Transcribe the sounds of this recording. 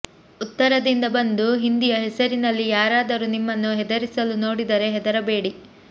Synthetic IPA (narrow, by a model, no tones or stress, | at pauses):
ut̪ːɐɾɐd̪ind̪ɐbɐnd̪uɦind̪ijɐɦɛsɐɾinɐlːijaːɾaːd̪ɐɾunimːɐnːuɦɛd̪ɐɾisɐluno̞ːɽid̪ɐɾe̞ɦɛd̪ɐɾɐbe̞ːɽi